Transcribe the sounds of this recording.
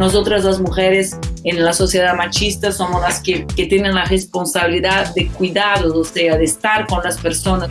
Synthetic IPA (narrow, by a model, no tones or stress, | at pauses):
nosot̪ɾazlazmuxeɾesenlasosjeðamat͡ʃist̪asomozlaskeket̪jenẽnlaresponsaβiliðaðekwiðaðooseaðeːst̪aɾkonlaspeɾsona